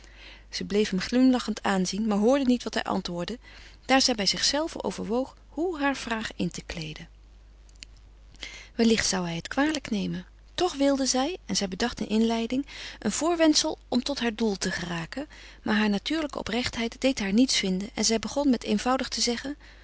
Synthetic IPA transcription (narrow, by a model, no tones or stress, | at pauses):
z̥əblejfɦəmχlɪmlɑχəntʰaːnzinmaːɹɦʊːɹdənitʋɑtɦɛ̰jʔɑ̰ntʋʊːɹdə | d̥aːɹzɛjbɛjzɪχsɛlˠvə̰nʔo̰wvə̰ɹʋowχ | ɦuɦaːɹv̥raːχɪntəklejdən | ʋɛlɪχtsʌwɦɛjɦətkʋaːləknejmən | tɔχʋɪlˠdəzɛjɛnzɛjbədɑχtənʔɪnlɛjdɪŋʔənv̥ʊːɹʋɛntsəlˠɔmtɔtɦaːɹdulˠtəχəraːkən | maːɹɦaːɹnatyːɹləkə̰ɔ̰prɛχtɦɛjtdejtɦaːɹnitsfɪndənɛ̰nzɛjbəχɔnmɛtejnvʌwdəχtəzɛχən